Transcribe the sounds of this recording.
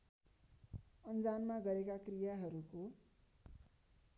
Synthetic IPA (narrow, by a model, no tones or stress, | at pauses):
ʌnd͡zanmaɡʌɾekakrijaɦʌɾuko